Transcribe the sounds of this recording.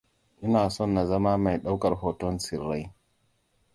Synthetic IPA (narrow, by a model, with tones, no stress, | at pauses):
ʔi˦naː˨sɔ˦˨nːa˨zɐ˦ma˦ma˨jɗa˦wkɐ˨ɾɦo˨to˦nsi˨ɾːa˦j